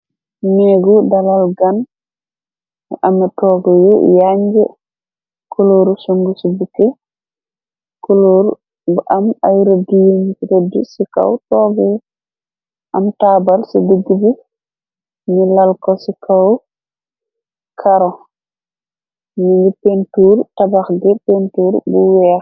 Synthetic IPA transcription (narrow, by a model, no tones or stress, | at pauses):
meɡudalalɡan | ɛ̰ʔamɛtɔːɡɔjɔjaɲd͡ʒɛ | kuloɾusuŋɡusubukːɛ | kuloɾu | ɡʔamajɾɔdijinkiɾɔdisika̰wtɔɡɔj | ʔamtaːbalsidəɡːibi | nilalkɔsikʰaw | kʰaɾɔ | niɲɡipentuːɾtabaxɡɛpentuːɾbuwɛː